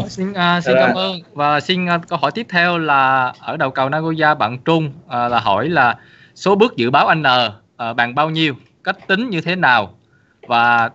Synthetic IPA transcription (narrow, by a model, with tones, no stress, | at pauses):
i˧nʔəː˧si˧nkaː˨˦mʔəː˧nvaː˨˩si˧nː˧kə˧whɔ˧˩jt̪i˦˥əp̚t̪ʰɛ˧wlaː˨˩ʔəː˧˩ɗə˨˩wkə˨˩wnaː˧ɣo˧zaː˧ɓa̰ː˧˨nt͡ɕʊ˧ŋ͡mʔə˨˩laː˨˩ɦɔ˧˩jlaː˨˩ | so˨˦ɓɨ˦˥ək̚zɨ̰˧˨ɓaː˨˦wʔa˧jŋ̟ʔəː˨˩ | ʔəː˨˩ɓaː˨˩ŋɓaː˧wɲi˧əw | ka˦˥jk̟̚t̪ï˨˦ŋ̟ɲɨ˧t̪ʰe˨˦naː˨˩w | vaː˨˩